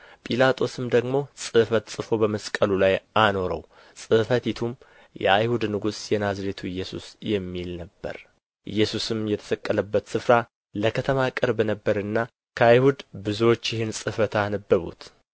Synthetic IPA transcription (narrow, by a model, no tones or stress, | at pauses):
pʼilat̪ʼʰo̞sɨmd̪əɡmo̞sʼɨfət̪sʼɨfo̞bəməskʼəlulajano̞ɾə̰w | sʼɨfət̪it̪ʰum | jɛ̰a̰jhud̪nɨɡusjɛnazɾet̪ʰuɨjːɛsṵsjɛmːilnəbːə̰ɾ | ʔɨ̰jːɛsusɨmjɛt̪ʰə̥səkʼːələbːət̪sɨfɾa | ləkʰət̪ʰəmakʼɨɾbnəbːəɾɨnːa | kʰəajhud̪bɨzuwo̞t͡ʃːjɪhɪnsʼɨfət̪anəbːəβṵt̪